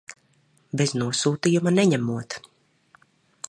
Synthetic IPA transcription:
bɛznuɔsuːt̪ijumanɛɲæmuɔt̪

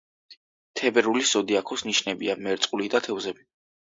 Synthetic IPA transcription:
t̪ʰɛbɛɾulisz̥ɔd̪iakʰɔsniʃnɛbiamɛɾt̪sʼqʼulid̪at̪ʰɛvzɛbi

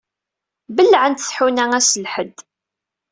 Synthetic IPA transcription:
bəlːʕənt̪θħunæŋæsəlħəd̪

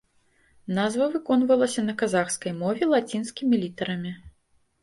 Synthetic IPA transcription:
nazvɐvɨkɔnvɐlˠɐsʲɐnɐkazaxskɐjmɔvʲɛlˠat͡sʲin̪skʲimʲilʲit̪ɐɾɐmʲi

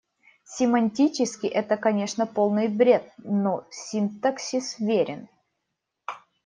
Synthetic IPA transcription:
sʲɪmɐnʲtʲit͡ɕɪskʲɪʔɛt̪əkɐnʲe̞ʂnəpo̞lˠnɨjbɾʲe̞t̪̚nosʲint̪ɐksʲisvʲeɾʲɪn

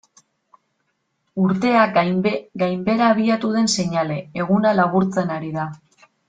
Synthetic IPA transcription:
uɾt̪e̞akɡajmbe̞ɾaːβ̞iat̪uð̞e̞nse̞ɲale̞ːɣ̞unalaβuɾt͡se̞naɾiða

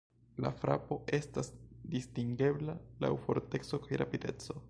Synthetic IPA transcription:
la̰fɾa̰po̞e̞stasdistiŋɡe̞blala̰wfo̞ɾte̞kso̞kajɾapide̞t͡so̞

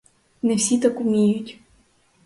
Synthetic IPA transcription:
nɛwsʲit̪akʊmʲijʊtʲ

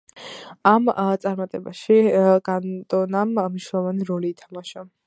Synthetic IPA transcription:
amt̪sʼaɾmat̪ʼɛbaʃiɡ̥ant̪ʼɔnammniʃnɛlˠɔvaniɾɔliːt̪ʰamaʃa

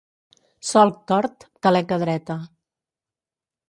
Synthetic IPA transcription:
sɔl̚ˠt̪ɔɾt̪t̪əlɛkəðɾɛt̪ə

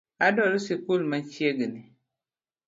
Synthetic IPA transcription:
adɔlusikulmant͡ʃieɡini

